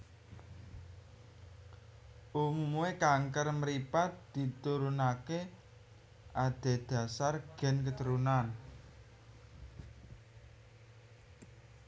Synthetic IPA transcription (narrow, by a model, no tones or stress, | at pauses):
ʔumumuekaŋkərməɾipat̪̚d̪̥i̤t̪uɾunake | ʔad̪̥e̤d̪̥ä̤sarɡ̥ɛ̤nkət̪əɾunan